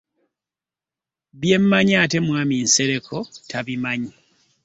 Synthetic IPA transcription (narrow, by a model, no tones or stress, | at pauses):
βje̞mːaɲate̞mwaːminse̞ɾe̞kʰotʰaβimaɲi